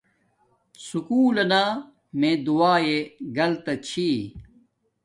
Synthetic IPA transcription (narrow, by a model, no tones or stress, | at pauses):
sukuːlɐnaː | mẽːd̪uaːeɡɐlt̪ɐt͡ɕʰi